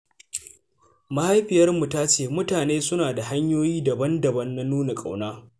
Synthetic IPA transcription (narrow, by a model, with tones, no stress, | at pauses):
ma˨ha˦jɸɪ˨jɐ˦rmu˨taː˦t͡ʃeː˦˨mʊ˦taː˨neː˦sʊ˦naː˨da˨ha˦ɲjoː˦jiː˦dɐ˨bɐ˦ndɐ˨bɐ˦nːa˦nuː˦na˨kʼa̰˨wnaː˦